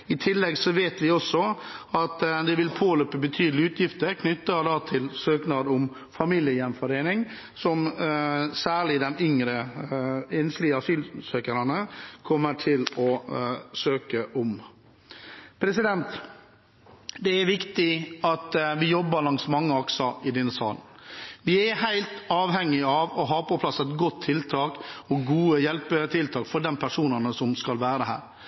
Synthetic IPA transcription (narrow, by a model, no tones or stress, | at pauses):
ɪt̪ʰɪlːɛɡsɔʋeːt̪ʋɪɔsːɔɑt̪d̪ɛʋɪlpʰoːløːpəbət̪ʰyːd̪əlɪʉːt̪ʰjɪft̪əɾkʰnʏt̪ːəd̪ɑːt̪ʰɪlsøːknɑːd̪ɔm | fɑmiːljəjɛmfɔɾeːnɪŋ | sɔm | sæːɭɪd̪ɛnʏŋɾə | ɛnslɪəɑsyːlsøːkəɾɑnəkʰɔmːəʈʰɪlɔsøːkəʔʊm | pʰɾɛsɪd̪ɛnt̪ | d̪ɛæɾʋɪkt̪ɪɑt̪ʋɪjɔbːəɾlɑŋsmɑŋːəɑksəɪd̪ɛnːəsɑːlən̩ | ʋɪæhæɪlt̪ɑːʋɦɛŋːɪɑʋɔɦɑːɾpʰɔpʰlɑsɛt̪ɡɔt̪ʰːɪlt̪ʰɑːkɔɡuːəjɛlpət̪ʰɪlt̪ʰɑːkfɔɾɖɛnpʰæʂuːnənəsɔmskɑlʋæːɾəd̪ɛɦæ̰ːɾ